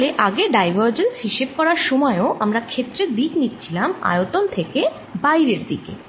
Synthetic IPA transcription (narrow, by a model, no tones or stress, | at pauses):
leʔaɡeɖajbʱaɾd͡ʑensɦiʃeb̚kɔɾaɾʃɔmɔeoʔamɾakʰet̪ːɾed̪iknit̪t͡ɕʰilama̰jot̪ont̪ʰeke | bajɾeɾd̪ḭkḛ